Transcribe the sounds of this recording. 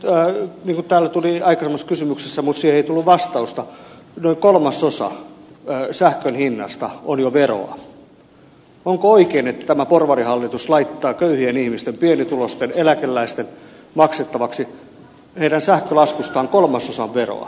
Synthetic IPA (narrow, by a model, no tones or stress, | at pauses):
niːŋkut̪t̪æːlːæt̪uliɑikɑsemːɑsːkysymyksesːæmut̪siːheeit̪ulːuʋʋɑst̪ɑust̪ɑ | noiŋkolmɑsosɑ̰ | sæhkønhinːɑ̰st̪ɑonjoʋero̰ɑ̰ | oŋkooikeːnet̪ːæ̥t̪æmæporʋɑrihɑlːit̪uslɑit̪ːɑːkøyhienihmist̪empienit̪ulost̪enelækelːæist̪en | mɑkset̪ːɑʋɑksi | heiɾænsæhkølɑskust̪ɑːŋkolmɑsosɑʋʋero̰ɑ̰